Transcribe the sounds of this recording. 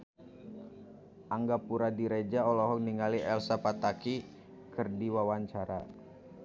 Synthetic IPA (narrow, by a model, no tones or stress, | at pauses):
ʔaŋɡapuɾadiɾed͡ʒaɔlɔɦɔk̚niŋaliʔɛlsapat̪aki | kɨrdiwawaɲt͡ʃaɾa